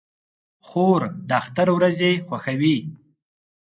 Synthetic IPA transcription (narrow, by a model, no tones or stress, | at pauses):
xoɾd̪əaxt̪aɾwɾazexwaxawi